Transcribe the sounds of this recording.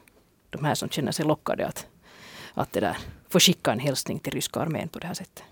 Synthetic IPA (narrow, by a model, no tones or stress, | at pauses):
d̪̥ɔmhæːʂsɔmt̪ɕɛnːəʂɛjlɔkːɑ̰d̪ɛ̰ɑt̪ | ʔɑ̰t̪̚d̪ɛd̪æ̰ːɾfoːɕɪkːɑeɛnɦɛlsnɪŋt̪ʰɪlɾʏskɑɑɾmḛːnpʰɔd̪ɛhæːʂsɛt̪ʰːə̥